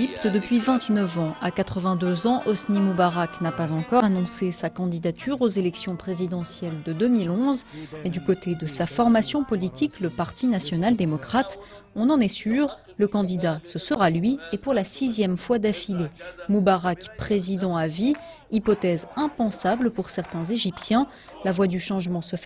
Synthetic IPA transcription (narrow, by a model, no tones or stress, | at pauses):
ipt̪əd̪əpɥivɛ̃t̪nəvɑ̃ʔakat̪χəvɛ̃d̪øzɑ̃ʔɔsnimubaʁaknapazɑ̃kɔanɔ̃sesakɑ̃d̪id̪at̪ʰyʁozelɛksjɔ̃pχezid̪ɑ̃sjɛld̪əd̪ømilɔ̃zed̪ykot̪ed̪əsafɔʁmasjɔ̃pɔlit̪ikləpaʁt̪ʰinasjɔnald̪emɔkχat̪ | ɔ̃nɑ̃nɛsyʁ | ləkɑ̃d̪id̪asəsəʁalɥiepuʁlasizjɛmfwad̪afilemubaʁakpχezid̪ɑ̃aviː | pɔt̪ɛzɛ̃pɑ̃sabləpuʁsɛʁt̪ɛ̃zeʒipsjɛ̃ | lavwad̪yʃɑ̃ʒmɑ̃səf